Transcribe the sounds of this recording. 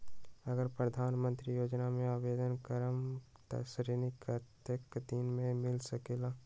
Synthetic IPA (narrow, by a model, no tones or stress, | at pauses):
ɐɡəɾpɾəd̪ʱaːnmə̃nt̪ɾijoːd͡ʒnamẽaːʋeːd̪ənkəɾəmt̪ɐ̰sɾinikət̪əkd̪inmẽmɪlsɐkeːlaː